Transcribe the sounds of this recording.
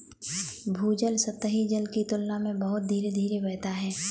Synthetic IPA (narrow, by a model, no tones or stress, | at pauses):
bʱuːd͡ʒəlsət̪əɦid͡ʒəlkit̪ʊlnamẽbəɦʊt̪̚d̪ʱiːɾed̪ʱiːɾebɛːt̪aɦɛː